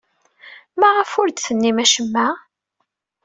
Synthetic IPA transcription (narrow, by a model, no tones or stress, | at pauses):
mæʁəfʊɾd̪θənːimæʃəmːæ